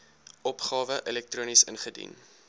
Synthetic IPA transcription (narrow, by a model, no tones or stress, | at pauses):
ʔɔpχɑːvəʔəlɛk̚truːnisənχədḭn